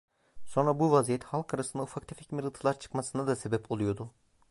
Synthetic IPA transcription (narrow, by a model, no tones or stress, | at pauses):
so̞nɾabuvazijɛt̪halˠkʰaɾasɯnd̪aufakt̪ʰefɛcmiɾɯt̪ʰɯlˠaɾt͡ʃʰɯ̥kmasɯnad̪ase̞bɛpʰo̞lˠujo̞d̪ʊ